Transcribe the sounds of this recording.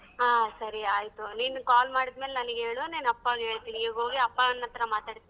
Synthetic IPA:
ɦaːsɐɾiaːjt̪uniːnukaːlmaːɽid̪meːlenɐniɡeɦeːɭoneːnɐpːaːɡɦe̞ːɭt̪iːniiːɡo̞ːɡiɐpːanːɐt̪ɐɾɐmaːt̪aːɽt̪inii

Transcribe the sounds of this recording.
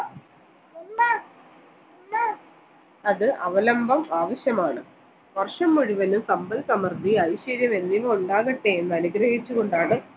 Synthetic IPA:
ɐðɨʔɐʋɐlɐmbʱɐmaːʋɐɕjɐmaːɳɨ | ʋɐrʂɐmːuɻiʋɐnusɐmbɐlsɐmɐrd̪iɐjɕɐɾjɐme̞nːiʋɐuɳɖaːɣɐʈːeenːɨɐnuɡɾɐɦit͡ɕːuɣoɳɖaːɳɨ

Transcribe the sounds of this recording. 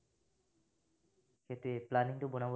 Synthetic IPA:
kʰet̪ɾeplaniŋʈ̪obonabo

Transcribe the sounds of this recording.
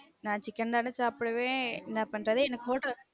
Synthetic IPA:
nãːt͡ʃɪkːɐnd̪aːnɯt͡ʃaːpɯɽɯʋẽːɪnd̪aːpɐɳɾɐðɯɛnɐkːɯfoːʈːɐ

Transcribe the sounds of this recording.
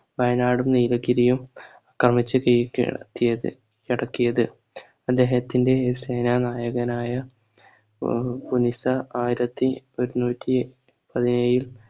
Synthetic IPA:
ʋɐjɐnaːɽumniːlɐɡiɾijum | ɐkrɐmit͡ɕːɨkit̪ːijɐ | kiɽɐkːijɐðɨ | ɐd̪ːe̞ːɦɐt̪ːinde̞se̞ːnanaːjɐɣɐnaːjɐ | punisɐaːjiɾɐt̪ːio̞ɾunuːtʲːi | pɐðinejil

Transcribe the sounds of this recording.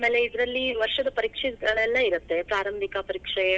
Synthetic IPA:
meːleid̪ɾɐlːiʋɐɾʂɐd̪ɐpɐɾiːkʂiɡɐɭɛlːɐiɾut̪ːe̞pɾaːɾɐmbʱikɐpɐɾiːkʂɐjɐ

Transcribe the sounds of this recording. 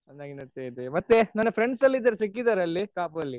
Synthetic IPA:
ɐnd̪aːɡinɐɾt̪ejd̪emɐt̪ːenɐnːɐpʰɾeɳɖsɐlːiːd̪ɐɾes̬ikːid̪aːɾeɐlːikaːpɐlːi

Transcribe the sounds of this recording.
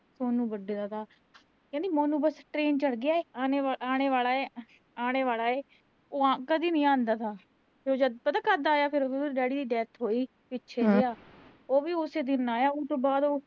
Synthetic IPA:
soːnũːbəɖeːd̪aːt̪ʰaː | kɛ̃ːd̪iːmoːnũːbəsʈɾeːnt͡ʃəɽɡɪaːeːaːneːaaːɽ̃eːʋaːlaːeː | aːñeːʋaːlaːeː | oːakəd̪iːnəĩːãːnd̪aːt̪ʰaː | d͡ʒoːd͡ʒəd̪pət̪aːkəɾd̪aːjaːpʰɪɾoːbːɖɛːɽiːd̪iːɖɛːt̪ʰɦoːiː | pɪtːʃʰeːɡɪjaː | oːʋiːʊseːd̪ɪnaːjaːot̪õːbaːd̪oː

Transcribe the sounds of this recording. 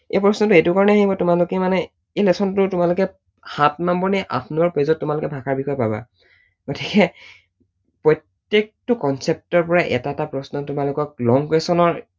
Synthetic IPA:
ejpɹɔsnɔtʊetʊkaɹɔnɛaɦibɔtʊmalʊkɛmanɛ | ejlɛsʰɔntʊtʊmalʊkɛ | hat̚mambɔɹniʔa̰pʰnɔɹpozɔtːʊmalʊkɛbʱakʰaɹbikʰɔjpaba̰ | ɡotikɛ | pɹɔjtː | ek̚tɔkɔnsep̚tɔɹpɔɹaʔɛ̰tatapɹɔsnɔtʊmalʊkɔk̚lɔŋkɹesɔnɔɹ

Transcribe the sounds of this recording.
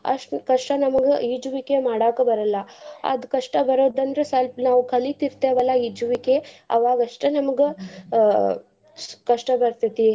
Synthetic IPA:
ɐ̰ʂʈkɐʂʈɐnɐmɐɡeid͡ʒuʋikemaːɽaːkɐbɐɾɐlːɐɐ̰d̪kɐʂʈɐbɐɾoːd̪ɐnd̪ɾesɐlnaːʋukʰɐlit̪iɾt̪eʋɐlːɐid͡ʒuʋikeɐ̰ʋaːɡɐʂʈenɐmɐɡe | kɐʂʈɐbɐɾt̪it̪i

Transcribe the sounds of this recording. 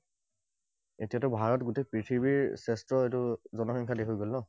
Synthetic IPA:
etijatʊbʱaɹɔtɡutejpɹitʰibiɹsɛstɹɔetʊzɔnɔxiŋkʰadexojɡolnɔ

